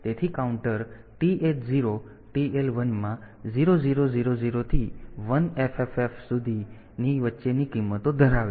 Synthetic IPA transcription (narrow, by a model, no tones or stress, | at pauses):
t̪et̪ʰikauɳʈəɾ | ʈiʔeʈziɾo | ʈielʋənmã | ziɾoziɾoziɾoziɾot̪ʰiʋənefefefsud̪ʱi | niʋətːʃenikimːət̪od̪ʱəɾaʋe